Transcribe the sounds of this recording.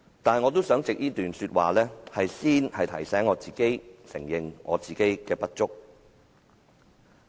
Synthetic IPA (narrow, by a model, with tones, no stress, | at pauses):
t̪aː˨n˨ŋɔː˨˧t̪o˥wsœː˨˥ŋt͡sɪ˨k̚jiː˥t̪yː˨nsyː˧t̚wa̰ː˨lɛː˥hɐ˨jsiː˥nhɐ˨jt̪ʰɐ˨˩jsɛː˨˥ŋːɔː˨˧t͡siː˨ke˥jsɪ˨˩ŋjɪ˨ŋŋɔ̰ː˨˧t͡siː˨˩ke˥jkɛː˧pɐ˥t̚t͡ʃʊ˥k̚